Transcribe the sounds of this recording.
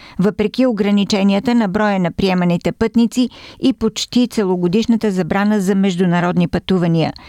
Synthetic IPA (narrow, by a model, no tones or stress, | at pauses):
vəpɾɛkioɡɾɐnit͡ʃɛniət̪ənɐbɾɔjənɐpɾiɛmənit̪ɛpɤt̪nit̪siipot͡ʃt̪it̪sɛlˠoɡod̪iʃnət̪əzɐbɾanəzɐmɛʒd̪unɐɾɔd̪nipɐt̪uvɐniə̰